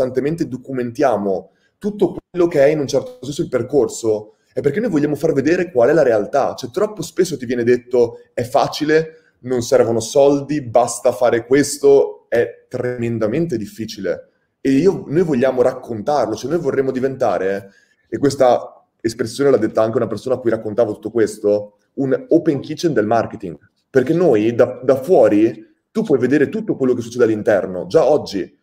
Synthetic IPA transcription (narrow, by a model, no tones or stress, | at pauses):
t̪ant̪ement̪ed̪okument̪jaːmo | t̪ut̪ːokwelːokeɛinunt͡ʃɛrt̪osɛnsoilperkorso | ɛpːerkenojvoʎːaːmofarved̪eːɾekwalɛlaɾealt̪at͡ʃoɛt̪ːɾɔpːospes̬ːot̪ivjɛːned̪et̪ːoɛfːaːt͡ʃile | nonsɛrvonosɔld̪ibast̪afaːɾekwest̪oɛt̪ːɾemend̪ament̪ed̪ifːiːt͡ʃilḛ | eiːonojvoʎːaːmoɾakʰːont̪arlot͡ʃoɛnːojvorːemːod̪ivent̪a̰ːɾe | ekːwest̪a | espɾesːjoːnelad̪ːet̪ːaaŋkeunapersoːnakːujɾakːont̪aːvot̪u̥t̪ːokwest̪o | unopeŋkit͡ʃend̪elmarket̪iŋɡ | perk̟enːoːjd̪ad̪afwɔːɾi | t̪upːwɔjved̪eːɾet̪ut̪ːokwelːokesːu̥t͡ʃːɛːd̪ealːint̪ɛrno̰d͡ʒaɔd͡ʒːi